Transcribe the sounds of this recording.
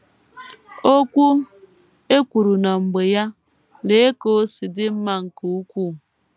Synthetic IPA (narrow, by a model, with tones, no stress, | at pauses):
o˦kʷu˦ | e˦kʷu˨ɾu˨na˨ŋ͡m̩˨ɡ͡be˨ja˦ | le˨e˦ko˦˨˦sɪ˨dɪ˦m̩˦ma˨ŋ̩˨ku˨u˦kʷu˦˨